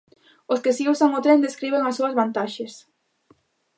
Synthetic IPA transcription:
oskesiusaŋʊt̪ɾend̪eskɾiβ̞eŋasuɐzβant̪aʃes

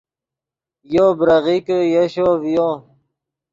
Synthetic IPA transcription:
jobɾɐɣikəjeɕoːvjo

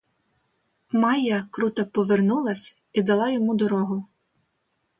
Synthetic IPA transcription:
mɑjɐkɾut̪ɐpɔʋernulˠɐsʲ | id̪ɐlˠɑjɔmud̪ɔɾɔɦʊ

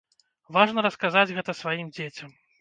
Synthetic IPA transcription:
vaʐnɐɾɐskazad͡zʲɣɛt̪ɐsvajimd͡zʲet͡sʲɐm

